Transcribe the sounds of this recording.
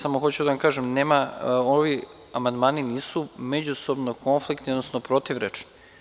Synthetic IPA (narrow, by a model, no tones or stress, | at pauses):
samoxot͡ɕud̪aʋamkaːʒemneːmaoʋi | amand̪maːniniːsumed͡ʑuso̞bnoko̞nflikt̪iod̪nosnopɾot̪iʋɾet͡ʃni